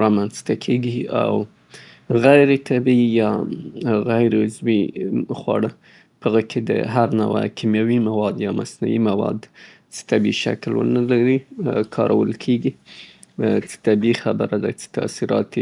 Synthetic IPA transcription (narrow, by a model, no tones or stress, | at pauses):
ɾɑmanst̪akʰeɡia̰w | ɣajɾet̪ʰabijɑ | ɣajɾʊzwixwɑ̰ɽə | pəɣəkʰed̪ə̰ɦaɾna̰wa̰kʰimjawimawɑd̪jɑmasnṵwimawɑ̰d̪ | t͡sə̥t̪abiʃa̰klwə̰nəlaɾikʰɑɾʔawəlkʰeɡi | t͡sə̥t̪abixabəɾad̪at͡se̥t̪a̰siɾɑ̰t̪i